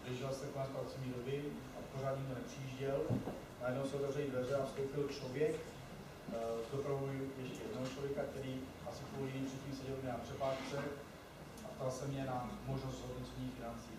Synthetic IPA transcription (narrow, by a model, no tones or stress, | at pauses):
lɛʒɪlst̪ɛkonɛspɾat̪t͡sovɲiːɾovɪnʔaporaːt̪ɲɪɡdonɛpr̥iiːʒɟɛl | najɛdnowsɛot̪ɛvrɛlidvɛzɛafst̪owpɪlt͡ʃlovjɛk | d̪opɾaɦujɛʃcɛjɛdnoɦot͡ʃlo̞vjɛkak̚t̪ɛɾiː | ʔasɪkuːlɪɲimprɛt̪̚ciːmsɛɟɛlmɲɛnapr̥ɛpaːʃt͡sɛ | ʔapt̪alsɛmɲɛnamo̞ʒnost̪soɦd̪not͡sɲiːfɪnant͡siː